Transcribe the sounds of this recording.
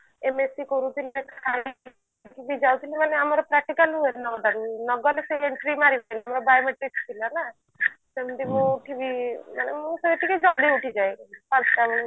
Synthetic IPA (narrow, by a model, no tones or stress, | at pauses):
emesikɔɾut̪ʰilkʰa | kʰibid͡ʒawt̪ʰilimaneamɔɾɔpɾɛk̚ʈikalɦuenɔd̪aɾinɔɡɔleseeɳʈɾimaɾibanamɾɔbajɔmeʈɾit͡ʃt̪ʰilana | semd̪imũʈʰibimanemũseʈikid͡ʒɔɽiuʈʰid͡ʒajpãsʈamɔn